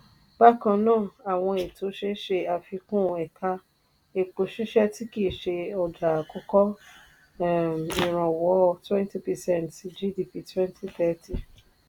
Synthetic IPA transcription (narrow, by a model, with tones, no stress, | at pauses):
ba˦kã˧nãː˦˨a˨w̃ɔ̃˧e˨tʰo˨˦ʃe˦ʃe˧a˧fi˧kũ˦˧ɛ˨ka˧ | e˨k͡po˨ʃi˦ʃɛ˦ti˦ki˦˨ʃe˧ɔ˧d͡ʒa˨kɔ˧˦kɔ˦˨ | mĩ˨ɾ̃ã˨wɔ˨˦˧twɛ̃˦nti˦pɛ˨sɛ̃˦˨nti˧d͡ʒi˦di˧˨pi˧twɛ̃˦nti˦θɛ˦ti˦˨